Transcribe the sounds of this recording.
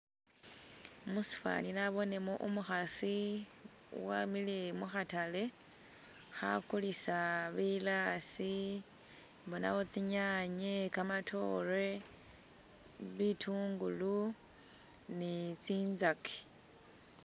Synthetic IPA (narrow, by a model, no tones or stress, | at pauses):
musi̥fa̰ninaβo̞ne̞moʔumuxasḭ | wamilemuxatale̞ | xa̰kulisaβilaːsi | mbona̰wot͡siɲaɲekamatʰo̞re̞ | βitʰuːŋɡulu | nit͡siːnzake̥